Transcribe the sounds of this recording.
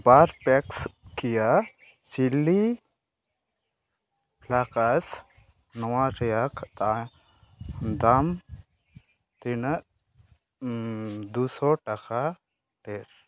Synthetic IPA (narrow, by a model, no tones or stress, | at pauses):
baɾpekskija | t͡ʃilːi | plakɐs | nɔwãɾjakt̪a | d̪am | t̪in | d̪usɔʈɐka | ʈeɾ